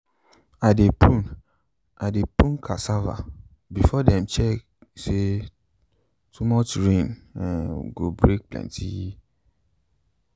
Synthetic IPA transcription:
adepũn | adepũnkʰasava̰ | bifɔdɛ̃mt͡ʃɛk | se | tʰumɔt͡ʃɹẽnãnɡobɹek̚plɛ̰̃ntʰḭji

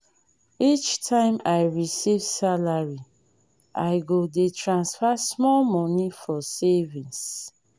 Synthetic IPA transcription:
it͡ʃtʰãɪ̃majɹisivsalaɹi | ʔajɡodetʰɹãnsfasmɔlmɔ̃nifɔsɛvĩns

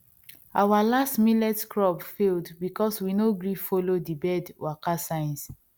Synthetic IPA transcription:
awalastmilɛtkɹɔbfeldbikɔswinoɡɹifolodibɛdwakasãɪ̃ns

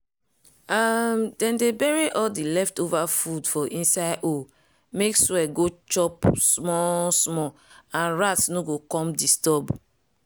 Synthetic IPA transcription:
amdɛ̃ndebɛɹiʔɔdilɛftovafudfɔʔĩnsaɪʔo | mekswɛɡot͡ʃɔpsmɔsmɔãnɹatnoɡokɔ̃mdistɔb

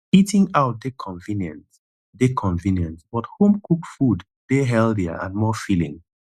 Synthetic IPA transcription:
itɪ̃ŋaʊt̚dekʰɔ̃ɱvĩnjɛ̃nt | dekʰɔ̃ɱvĩnjɛ̃ntsbɔthõmkʰukfud | d̥eɦɛlˠdiə̰ʔã̰nmɔfilḭ̃ŋ

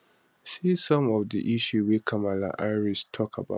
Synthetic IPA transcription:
sisɔ̃mɔvdḭʔiʃuwikʰãmala̰ʔaɪɹistʰɔkʰaba̰

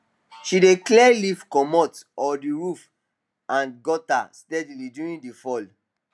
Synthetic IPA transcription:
ʃideklɛlifkɔmɔtɔdiɹuf | ãnɡɔta̰stɛdilidjuɹĩndifɔl

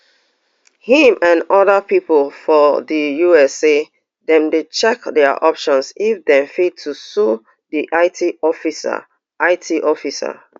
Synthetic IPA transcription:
hĩmãnɔðəpipɔlfɔdəjuɛse | dɛ̃mdet͡ʃɛkdɛaʔɔpʃɔ̃nsifdɛ̃mfid̚tʰusu | diʔaɪtʰiɔfisa̰ | ʔaɪtʰiʔɔfisa̰

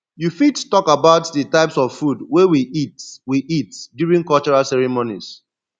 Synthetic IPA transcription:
jufittɔkabaʊtðətaɪpsɔvfudwewiʔitwiʔitdjuɹĩŋkɔlt͡ʃɔɹalsɛɹimonis

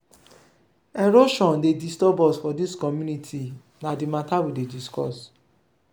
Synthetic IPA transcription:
ɛɾoʃɔ̃ndedistɔbɔsfɔdiskɔmjunitʰi | nadimatawidediskɔ̰s

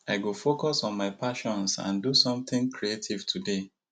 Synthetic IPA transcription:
aɪɡofokɔsɔ̃nmaɪpaʃɔ̃nsã̰ndusɔ̃mt̪ɪ̃ŋkʰɹietʰivtʰude

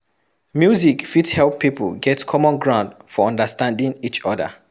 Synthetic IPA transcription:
mjuzikfithɛlpːipə̰lɡɛtkʰɔmɔ̃nɡɹãʊ̃ndfɔɔ̃ndəstãndĩnit͡ʃɔdə̰

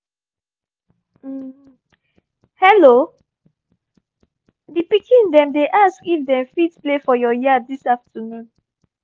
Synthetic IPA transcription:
hɛlo | dipikʰĩndɛ̃mdeʔaskifdɛ̃mfitplefɔjɔjiadisaftʰənũn

